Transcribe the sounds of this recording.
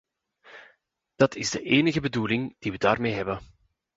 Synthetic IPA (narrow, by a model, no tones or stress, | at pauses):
d̥ɑtʰɪzdəʔeːnəɣəbəduːlɪŋd̥iʋədaːrmeːɦɛbə